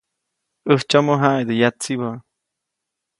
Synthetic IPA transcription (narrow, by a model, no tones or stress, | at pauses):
əht͡ʃamoɦaed̪əjat͡siba